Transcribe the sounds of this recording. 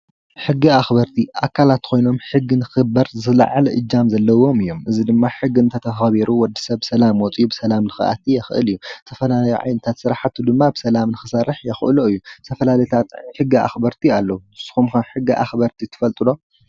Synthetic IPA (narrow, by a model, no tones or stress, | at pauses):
ħɨɡːiaxbɐɾt̪ʰiʔa̰kʰːalat̪kʰo̞jno̞mħɨɡːinɨxɨbɐɾzɨla̰ʕalʔɨd͡ʒːamzɐlːɐwo̞mɨjːo̞mʔɨzid̪ɨmːaħɨɡːiɨnt̪ʰɐt̪ʰɐxɐβiɾuwɔd̪ːi̥sɐβsɐlamwɔt͡sʼubɨsɐlamnɨxɨ̰ʔa̰t̪ijɛxʔɨ̰lɨjːut̪ʰɐfɐlalajḭʕa̰jnɐt̪ʰat̪sɨɾaħat̪ʰːud̪ɨmːabɨsɐlamnɨxɨsɐrɨħjɛxʔɨluɨjːut̪ʰɐfɐlalɐjt̪ʰat̪ʼʕħɨɡːia̰xbɐɾt̪ʰialːɐuɨsɨ̥xumkɐħɨɡːiʔa̰xbɐɾt̪ʰit̪ʰɨ̥fɐlt̪ʼɨlo̞